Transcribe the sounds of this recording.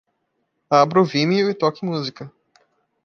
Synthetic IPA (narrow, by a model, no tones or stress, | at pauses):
abɾʊvimiʊɪt̪ɔkɪmuzikɐ